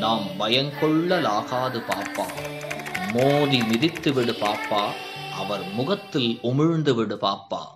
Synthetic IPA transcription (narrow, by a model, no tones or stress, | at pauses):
naːmbɐjɐŋkɔɭːɐlaːɣaːðɯpaːɾpːaː | moːðimɪðɪt̪ːɯʋɪɽɯpaːpːaː | ʔɐʋɐɾmʊɣɐt̪ːɪlʊmɪɻnd̪ɯʋɪɽɯpaːɾpːa̰ː